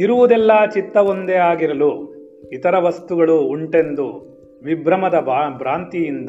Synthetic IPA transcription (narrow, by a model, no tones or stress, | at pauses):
iɾuʋud̪ɛlːaːt͡ʃit̪ːɐʋond̪eaːɡiɾɐlu | it̪ɐɾɐʋɐst̪uɡɐɭuːɳʈe̞nd̪u | ʋibɾɐmɐd̪ɐbɾaːnt̪ijind̪